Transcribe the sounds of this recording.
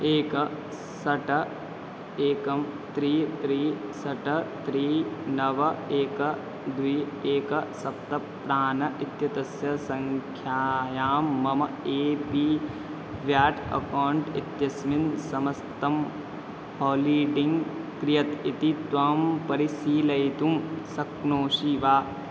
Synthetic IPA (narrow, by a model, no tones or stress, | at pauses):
eːkɐ | sɐʈɐ | eːkɐmt̪ɾiːt̪ɾiːsɐʈɐt̪ɾiːnɐʋɐeːkɐ | d̪ʋiː | eːkɐsɐp̚t̪ɐ | pɾaːnɐʔit̪jɐt̪ɐsjɐsɐŋkʰjaːjaːmːɐmɐeːpiː | ʋjaːʈɐ̰kaːɳʈḭt̪jɐsminsɐmɐst̪ɐm | hoːliːʈiŋɡkɾijɐt̪it̪it̪ʋaːmpɐɾisiːlɐjt̪umsɐknoːʂiːʋaː